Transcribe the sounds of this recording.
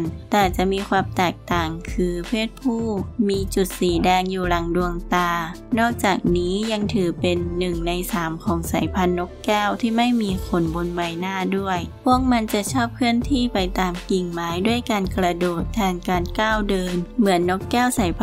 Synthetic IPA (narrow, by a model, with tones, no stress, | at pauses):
nt̪ɛː˨˩t͡ɕa˨˩ʔmiː˧kʰwaː˧mt̪ɛː˨˩k̚t̪aː˨˩ŋkʰɯː˧pʰeː˥˩t̪̚pʰuː˥˩miː˧t͡ɕu˨˩t̪̚siː˨˩˦dɛː˧ŋjuː˨˩ɾa˨˦ŋdu˧əŋt̪aː˧ | nɔː˥˩k̚t͡ɕaː˨˩k̚niː˦˥ja˧ŋt̪ʰɯː˨˩˦pe˧nːɯ˨˩ŋna˧jsaː˩˦mkʰɔː˩˦ŋsa˨˩˦jpʰa˧˥nːo˧˦˥kkɛː˥˩wt̪ʰiː˥˩ma˥˩jmiː˧kʰo˧˩nbo˧nba˧jnaː˥˩du˥˩əjpʰu˥˩ək̚ma˧nt͡ɕa˧˩t͡ɕʰɔː˥˩p̚kʰɯː˥˩ənt̪ʰiː˥˩pa˧jt̪aː˨mki˨˩ŋmaː˦˥jdu˥˩əjkaː˧nkɾa˧doː˨˩t̪ʰːɛː˧˩ŋkaː˧nkaː˥˩wdɤː˧nmɯ˩˦ənːo˦˥kːɛː˥˩wsa˨˩˦jpʰ